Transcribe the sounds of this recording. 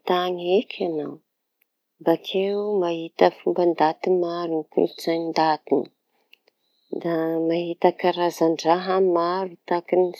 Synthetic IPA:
t̪aɲekʰʲanaw | bakʰewmaɦit̪əfumband̪at̪imaɾunkṵt͡saɲind̪at̪ini | d̪amaɦit̪akaɾazaɳɖ͡ʐaɦamaɾut̪akini

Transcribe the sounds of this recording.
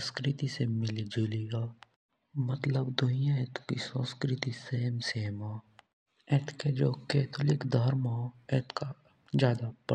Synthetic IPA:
skɾɪt̪isemɪlid͡ʒuːliaː | mət̪ləbd̪ʊnijãɛt̪ʰkisə̃ːskɾɪt̪iseːmseːma | ɛːt̪ʰked͡ʒoːkeːt̪ʰʊlɪkd̪ʱəɾmaːɛːt̪ʰka | d͡ʒjaːd̪apə

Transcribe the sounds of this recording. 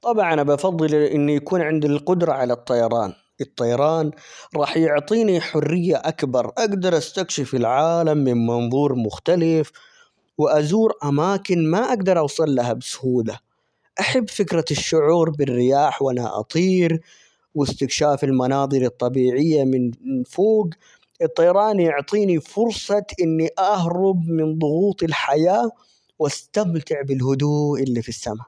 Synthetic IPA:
t̪ˤɑbʕɑnabɑfɑðˤːɨlʔɪnːijakuːnʕɪnd̪ilqʊd̪ɾˤɑʕalat̪ˤːɑjɑɾˤɑːn | ɨt̪ˤːɑjɑɾˤɑːnɾˤɑːħjʊʕt̪ˤiːniħʊrːɪjːaʔakbɑɾˤʔaɡd̪ɑɾˤʔast̪akʃɪfɪlʕaːlamːɪnmɑnðˤuːɾˤmʊxt̪alɪf | wɪʔazuːɾʔamaːkɪnmaʔaɡd̪ɑɾˤʔɑwsˤɨlːahabɪsʊ̥huːla | ʔaħabːfɪkɾaʃːʊʕuːɾbɪrːɪjaːħwʔana̰ʔɑ̰t̪ˤiːɾ | wɪst̪ɪkʃaːfɪlmɑnɑːd̪ˤɨɾˤɨt̪ˤːɑbiːʕɪjːamɪnfoːɡ | ʔɨt̪ˤːɑjɾˤɑːnjʊʕt̪ˤiːnifʊɾsˤɑʔɪnːiʔahɾˤʊbmɪnðˤʊɣuːt̪ˤɪlħajaː | wʔast̪amt̪ɪʕbɪlɦʊd̪uːʔɪlːifisːama

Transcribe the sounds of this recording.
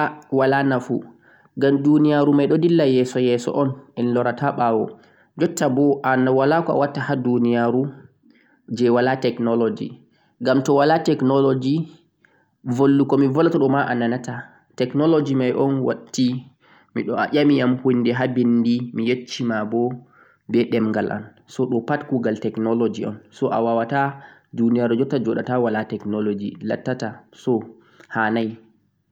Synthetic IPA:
awalanafṵ | ɡamdunijaɾumajɗɔdilːajɛsɔjɛsɔ̰ʔɔnɛnlɔɾataɓawɔ | d͡ʒɔtːabɔʔanawalakɔa̰watːahadunijaɾu | d͡ʒɛwalatɛknɔlod͡ʒḭ | ɡamtɔwalatɛknɔlod͡ʒi | volːukɔmivɔlatɔɗɔmaʔananata | tɛknɔlod͡ʒimajʔɔnwa̰tːi | mḭɗɔa̰ʄʲamijamhunːdɛɦabindimijet͡ʃːimabɔ | bɛɗɛmŋɡalʔa̰n | sɔɗɔpatkuɡaltɛknɔlod͡ʒiɔ̰nsɔʔa̰wawatadunijaɾɛd͡ʒɔtːad͡ʒɔɗatawalatɛknɔlod͡ʒila̰tːatasɔ | hanaj

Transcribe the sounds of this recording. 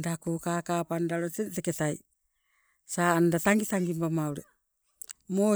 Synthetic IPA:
dakukakapandaɾoteteketaj | saːandataŋɡitaŋɡimbamauɾe | mo

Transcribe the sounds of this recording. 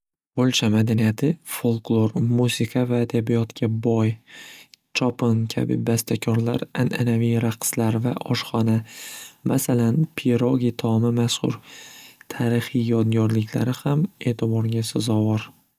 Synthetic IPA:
bolˠt͡ʃʰamad̪anijat̪ʰɪfolˠklˠoɾmusɪkʰavaːd̪abijɒt̪kʲʰabɒj | t͡ʃʰɒpʰɪnkʲʰa̰bɪ̰bast̪ʰakʲʰɒɾla̰ɾananavijɾaqslaɾvaʔɒʃχɒnamʔasalanpʰeɾoɡʲit̪ʰɒmamashʊ̰ɾt̪ʰaɾɪχijjɒd̪̚ɡʲɒɾlɪkʲla̰ɾɪhame̞ːt̪ʰɪbɒɾɡʲasazɒwɒɾ

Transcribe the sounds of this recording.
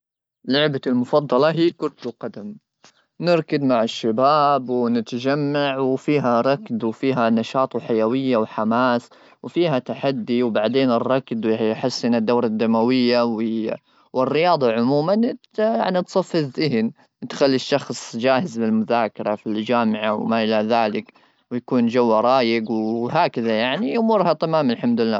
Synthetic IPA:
lʊʕbalmʊfɑd̪ˤːɑlɑɦiːkʊɾt̪uqɑd̪am | nɪɾkad̪maʕɪʃːabaːbwnɪt̪d͡ʒamːaʕwfiːɦaɾˤɑkd̪wfiːɦanɑʃɑːt̪ˤwħajawɪjːawħamaːs | wfiːhat̪aħad̪ːiwbaʕd̪eːnɪrˤːɑkd̪wħɪsːɪnad̪ːawɾˤɑd̪ːamawɪjːaw | wɪrːɪjɑːd̪ˤɑʕʊmuːman | jaʕnit̪sˤɑfːɪzɪɦn | t̪xalːiʃːɑxsˤd͡ʒaːhɪzbɪlmʊðaːkɑɾˤɑfild͡ʒaːmɪʕawmaʔɪlaðaːlɪk | wjakuːnd͡ʒawːaɾˤɑːjɪɡwɦaːkɪðajaʕniʔʊmuːɾhat̪amaːmalħamd̪ʊɪlːa̰ː

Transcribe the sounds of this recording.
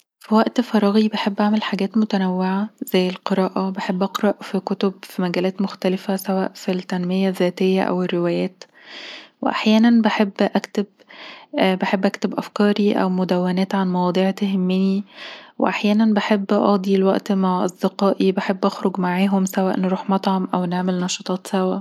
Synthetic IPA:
fiwæʔt̪fɑɾˤɑːɣibeħebːʔaʕmelħaɡæːt̪mot̪ænæwːeʕazæjːelqeɾˤɑːʔɑbeħebːʔɑqɾˤɑʔfikot̪obfimæɡæːlæːt̪moxt̪ælefæsæwæ̰ːʔfilt̪ænmejæzːæːt̪ejːæ̰ʔæ̰werːewæːjæːt̪ | wḛʔa̰ħjæːnænbeħebːʔækt̪eb̚ | beħebːʔækt̪ebʔæfkɑːɾiʔæ̰wmod̪æwːænæːt̪ʕanmɑwɑːd̪ˤiːʕt̪ɦemːeniwḛʔaħjæːnænbeħebːʔɑ̰ːd̪ˤilwæʔt̪maʕʔɑ̰sˤd̪eqɑːʔibeħebːʔɑxɾoɡmaʕaːɦomsæwæ̰ːʔnɾuːħmɑt̪ˤʕɑmʔæwneʕmelnɑʃɑt̪ˤɑːt̪ˤsæwæ

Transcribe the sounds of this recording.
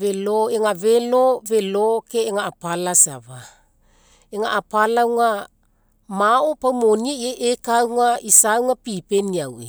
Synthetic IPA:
veloeŋavelovelokeːŋaːpalasa̰βa | eŋaʔapalawŋa | maopawmoniaieʔekawŋaisawŋapipeniawe

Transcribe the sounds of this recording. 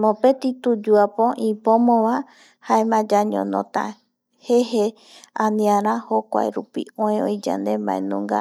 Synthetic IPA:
mõpet̪it̪ud͡ʒuapõʔĩpomõʋã | haemãd͡ʒaɲõ̰nõ̰t̪a̰ | hehe | ãnĩãɾãhokʷa̰eɾupḭõẽõjd͡ʒã̰nd̪emã̰ḛ̃nũŋɡa̰

